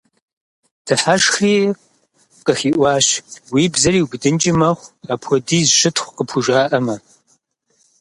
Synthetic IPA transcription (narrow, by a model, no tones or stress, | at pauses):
d̥ɨħaʂxriː | qʼəxiːʔʷɑːɕwiːbzɐɾiːwɡdɨnt͡ʃʼɪmɐχʷapʰɔdiːzʃɪtʰχʷqəpʰuʒʷaːʔɐmɐ